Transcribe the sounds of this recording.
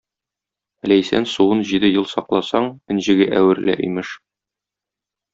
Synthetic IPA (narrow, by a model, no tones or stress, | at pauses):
læjsæ̰nsuwɤnʑid̪ɘjɤlˠsɒqlˠɑsɑɴɘ̆nʑɘ̆ɡɘʔæwɘ̆ɾlæ̰ʔḭmɘʃ